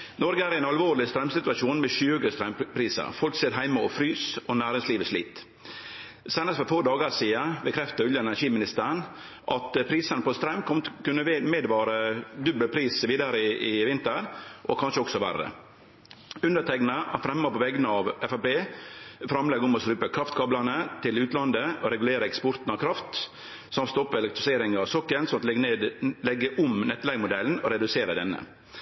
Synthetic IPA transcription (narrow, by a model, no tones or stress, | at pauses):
nɔɾɡəæːɾɛɪnɑlʋoːɾlɪst̪ɾɑmsɪt̪ʉɑʂuːnmɛɕʉːɡəst̪ɾɑmpʰɾiːsə̰ɾfɔlkseːɾɦæɪmɑɔfɾyːsɔnæːɾɪŋsliːʋəʂlḭːt̪ | sæɪnəst̪fɔɾfoːd̪ɑːɡəsiːəbɛkʰɾɛft̪əʉljəɛnæʂiːmɪnɪst̪əɾɳ | ʔɑt̪pʰɾiːsənəpɔst̪ɾɑmːkʰɔmt̪kʉnːəmeːd̪ʋɑːɾəd̪ʉbːəlpʰɾiːsʋiːd̪əɾəɪɪʋɪnt̪əɾʔɔkʰɑnʂəɔksɔʋæ̰rːə̰ | ʉnd̪ət̪ʰɛknəʔɑfɾɛmːəpɔʋɛɡənəɑʋɛfæpeːfɾɑmlɛɡɔmɔsɾʉːpəkʰɾɑft̪kʰɑːblɑnət̪ʰɪlʉːt̪lɑnd̪əɔɾɛɡʉleːɾəɛkspɔɾt̪n̩ɑʋkʰɾɑft̪ | sɑmt̪st̪ɔpːɛlɛk̚t̪ɾʊseːɾɪŋɑʋsɔkːənsɔmɑt̪lned̪lɛɡːəʔɔmnɛt̪ːlɛɡmʊd̪ɛln̩ɔɾɛd̪ʉseːɾəd̪ɛnːə̰